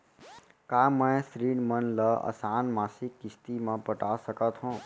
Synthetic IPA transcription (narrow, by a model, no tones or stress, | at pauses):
kaːmə̃sɾiːɳmənləə̰saːnmaːsɪkːɪst̪imãpəʈaːsəkət̪ɦõː